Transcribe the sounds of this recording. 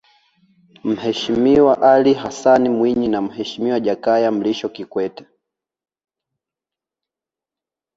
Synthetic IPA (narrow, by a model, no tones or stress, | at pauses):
m̩hɛʃimiwaʔalihasanimwiɲinam̩hɛʃimiwaʄakajam̩liʃɔkikwɛtɛ̥